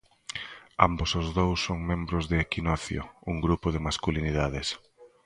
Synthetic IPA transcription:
a̰mbosʊzðowsːoŋmẽmbɾʊzðɪːkinɔθjo̰uŋɡɾupʊðɪmaskuliniðaðɪs

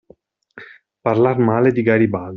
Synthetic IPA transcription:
parlarmaːled̪iɡaɾiba

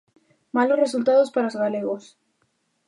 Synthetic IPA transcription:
malorresult̪aðospaɾaozɣaleɣos

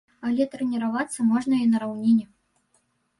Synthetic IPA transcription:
alʲɛt̪ɾɛnʲɛɾavat̪sːɐmɔʐnɐinɐɾawnʲinʲɛ

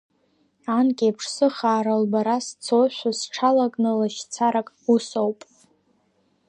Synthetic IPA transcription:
ankʲʼiapʰʂsɨχaːɾalbaɾast͡sʰowʃʷasʈ͡ʂʰalakʼnɨlaʃt͡sʰaɾakʼusowpʼ

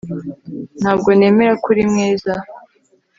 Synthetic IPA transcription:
n̥haːb̚ɡo̞ne̞ːme̞ɾakuɾimŋiːza

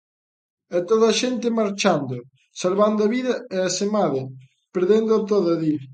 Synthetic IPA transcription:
ɛt̪oðaʃent̪emaɾt͡ʃand̪o | salβand̪oaβiðɐeasemaðe | peɾðend̪oat̪̬oðɐði

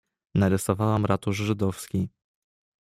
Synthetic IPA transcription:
naɾɛsɔvawamɾat̪uʐʐɘd̪ɔfskʲi

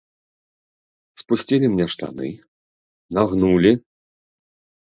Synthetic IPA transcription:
spusʲt͡sʲilʲimnʲɛʂt̪a̰nɨ̰ | naɣnulʲi

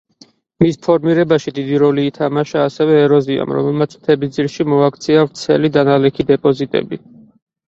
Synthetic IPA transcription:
mispʰɔɾmiɾɛbaʃid̪id̪iɾɔliːt̪ʰamaʃaːsɛvɛːɾɔzia̰mɾɔ̰mɛlˠmat̪sʰt̪ʰɛbid̪ziɾʃimɔakʰt̪sʰiavɾt̪sʰɛ̰lid̪analɛkʰid̪ɛpʼɔzit̪ʼɛ̰bi

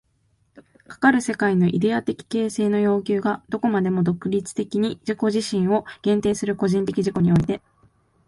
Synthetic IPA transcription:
kḁkaɾɯ̟se̞kaino̞ʔid̪e̞at̪e̞kʲi̥ke̞ːse̞ːno̞jo̞ːk̬ʲɨːɡad̪o̞ko̞mad̪e̞mo̞d̪o̞kɯ̟ɾʲit͡sɨ̥t̪e̞kʲiɲ̟id͡ʑiko̞ʑiɕĩɰ̃o̞ɡ̥ẽ̞nt̪e̞ːsɨɾɯ̟ko̞ʑĩnt̪e̞kʲiʑiko̞ɲ̟io̞it̪e̞

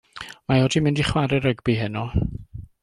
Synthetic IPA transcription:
majɔdimɪndiχwaɾɛɾəɡbiɦɪnɔ

